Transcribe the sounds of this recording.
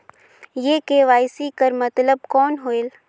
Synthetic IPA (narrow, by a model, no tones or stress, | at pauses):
jeːkeʋaːɪsikəɾmɐt̪ləb̚kɔːnɦoːel